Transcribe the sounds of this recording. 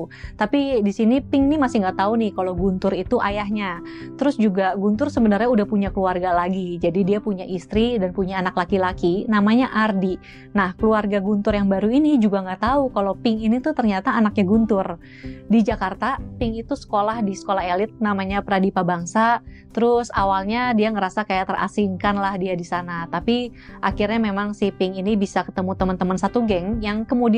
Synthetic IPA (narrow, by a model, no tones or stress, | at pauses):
t̪apidisinipɪŋnɪmasɪhŋɡaʔt̪aunɪhkalowɡunt̪ʊɾit̪uʔajaɦɲa | t̪əɾʊsd͡ʒuɡaɡunt̪ʊrsəbənarɲaudahpuɲakəluarɡalaɡid͡ʒadidiapuɲaʔist̪ɾidanpuɲaːnaklakilakinamaɲaʔardi | nahkəluarɡaɡunt̪ʊrjaŋbaɾuinid͡ʒuɡaŋɡaʔt̪aukalowpɪŋinit̪ut̪ərɲat̪aːnak̚ɲaɡunt̪ʊr | did͡ʒakart̪apɪŋit̪usə̥kolahdisə̥kolaɦelɪt̪̚namaɲapəɾadipabaŋsa | t̪əɾʊsawalɲadiaŋəɾasakajaʔt̪əra̰siŋkanlahdiadisanat̪apiʔakirɲamemaŋsihpɪŋinibisakə̥t̪əmut̪əmənt̪əmənsat̪uɡɛŋjaŋkəmudi